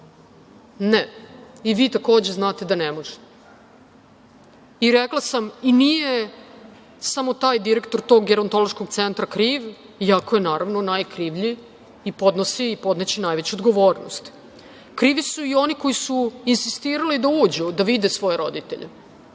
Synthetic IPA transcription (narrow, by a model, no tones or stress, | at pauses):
ne | iʋiːt̪ako̞ːd͡ʑeznaːt̪e̞d̪anemoʐe̥t̪ | iɾeklˠasaminije | samo̞t̪aːjd̪iɾekt̪o̞ɾt̪o̞ɡɡeɾont̪o̞loʃkoɡt̪sent̪ɾakɾiːʋ | iakoje̞naːɾaʋno̞najkɾiʋʎiː | po̞d̪nosiːpo̞d̪net͡ɕinajʋet͡ɕuod̪ɡo̞ʋoːɾno̰st̪ | kɾiːʋisuio̞niko̞jisuinsist̪iːɾalid̪auːd͡ʑud̪aʋid̪esʋo̞jeɾo̞d̪it̪ḛʎʔḛ